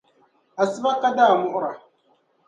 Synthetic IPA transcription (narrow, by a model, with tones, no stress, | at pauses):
a˨sɨ˦ba˦ka˦daː˦˨mʊ˦ʔʊ˦ɾa˨